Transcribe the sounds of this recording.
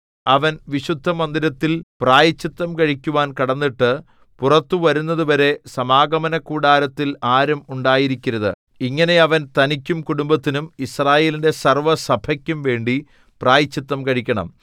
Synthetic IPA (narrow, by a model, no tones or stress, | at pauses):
ɐʋɐnʋiɕud̪ʱːɐmɐnd̪iɾɐt̪ːilpraːjɐt͡ɕːit̪ːɐmkɐɻikʲːuʋaːnkɐɽɐnːiʈːɨ | purɐt̪ːuʋɐɾunːɐðuʋɐɾe̞sɐmaːɡɐmɐnɐkːuːɽaːɾɐt̪ːilaːɾɐmuɳɖaːjiɾikʲːuɾɐðɨ̰ | iŋːɐne̞ɐʋɐnt̪ɐnikʲːumkuɽumbɐt̪ːinumisraːje̞ːlinde̞sɐrʋɐsɐbʱɐkʲːumʋe̞ːɳɖi | praːjɐt͡ɕːit̪ːɐmkɐɻikʲːɐɳɐ̰m